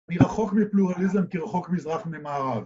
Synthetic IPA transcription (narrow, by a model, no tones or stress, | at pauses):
niʁaχo̞kmipluʁalizemkiʁaχo̞kmizʁaχmemaːʁav